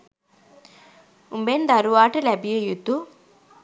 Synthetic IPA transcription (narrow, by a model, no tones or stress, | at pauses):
umbend̪ɐɾuʋaːʈɐlɛbijujut̪ːu